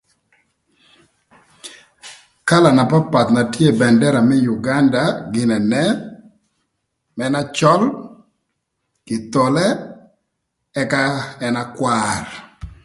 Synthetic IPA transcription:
ka˦la˨na˨pa˦pa˨t̪na˨tje˦bɛ˨ndɛ˦ɾa˨mɛ˦ju˨ɡa˦nda˨ɡɪ˨nɛ˨nɛ˦ | mɛna˦t͡ʃɔ˦l | kɪ˨t̪ɔ˨lɛ˦ | ɛ˦ka˦ɛ˦na˦kwar

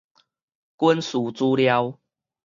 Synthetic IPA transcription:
kwə˦nsu˨˩t͡su˦lja˦w

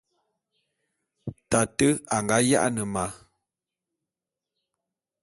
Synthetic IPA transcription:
ta˨tə˦a˨ŋɡa˨˦ja̰˦ʔa˦nə˨ma˨˦

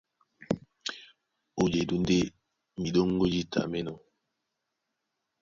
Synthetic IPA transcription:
o˨d͡ʒe˨du˨n˦de˦ | mi˨ɗo˦ŋ˦ɡo˦d͡ʒi˦ta̰˨me˦nɔ˨

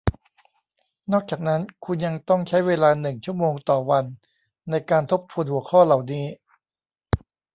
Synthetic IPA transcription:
nɔː˥˩k̚t͡ɕaː˨˩k̚na˦˥nkʰu˧nja˧ŋt̪ɔ˥˩ŋt͡ɕʰa˦˥jweː˧laː˧nɯ˨˩ŋt͡ɕʰu˥˩əmoː˧ŋt̪ɔː˨˩wa˧nː | a˧jkaː˧nt̪ʰo˦˥p̚t̪ʰu˧nhu˨˩˦əkʰɔː˥˩la˨˩wniː˦˥

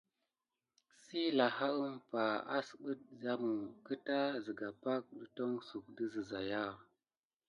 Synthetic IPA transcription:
si˦la˨ha˦ə˦mpa˨a̰˦sɓə˦t̚da˦mu˨kə˦ta˦zi˨ɡa˨pa˦k̚də˨to˦ŋsu˨k̚də˦zə˨za˨ja˦

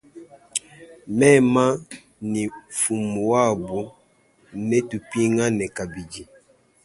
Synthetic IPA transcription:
mɛ˦˨ma˦ | ni˨fu˨mu˨wa˦˨bu˨ | nɛ˦tu˨pi˦ŋa˦nɛ˨ka˨bi˨d͡ʒi˨

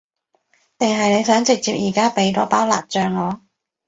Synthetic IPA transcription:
t̪ɪ˨ŋɦɐ˨jne˨˧jsœː˨˥ŋt͡sɪ˨k̚t͡siː˨p̚jiː˨˩kaː˥pe˨˥jt̪ɔː˨˥paː˥wla̰ː˨t̚t͡ʃœː˨ŋːɔː˨˧˥

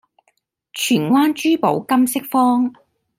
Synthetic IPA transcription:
t͡ʃʰyː˨˩nwʷaː˥nt͡ʃyː˥po˨˥wkɐ˥msɪ˥k̚fɔː˥ŋ

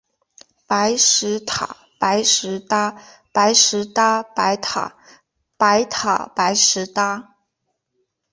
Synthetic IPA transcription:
pa˧˥ɪʂɻ̩˧˥t̪ʰa̰˨˩˦ | pa˧˥ɪʂɻ̩˧˥t̪a˥ | pa˧˥ɪʂɻ̩˧˥t̪a˥pa˧˥ɪt̪ʰa̰˨˩ | pa˧˥ɪt̪ʰa̰˨˩pa˧˥ɪʂɻ̩˧˥t̪a˥

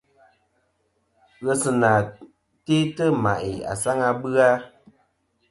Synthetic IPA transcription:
ɣə˦sɨ˨na˨ | te˦tə˦ma˨ʔɪ˨a̰˨sa˦ŋa˧bɨ˦a˦

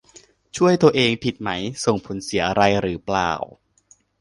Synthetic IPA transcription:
t͡ɕʰu˥˩əjt̪u˧ɐʔeː˧ŋpʰi˨˩t̪̚ma˦˥jso˨˩ŋpʰo˩˦nsi˩˦ɐʔa˧ɾa˧jɾɯː˩˦pla̰ː˨˩w

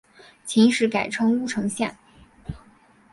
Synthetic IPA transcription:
t͡ɕʰi˧˥ŋʂɻ̩˧˥ka˨˩ɪʈ͡ʂʰɤ˥ŋu˥ʈ͡ʂʰɤ˧˥ŋɕjɛ̰˥˩n

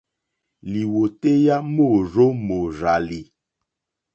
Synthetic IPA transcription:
li˨wo˨te˦ja˦mo˦˨zo˦mo˨za˨li˨

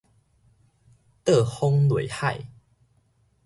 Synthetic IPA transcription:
t̪ə˥˨hɔ˦ŋlwe˨˩jha˥˧˨j

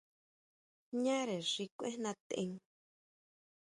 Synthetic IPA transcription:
ɲã˦ɾe˨ʂi˧kʷḛ̃˦nã˧t̪ḛ̃˧ŋ

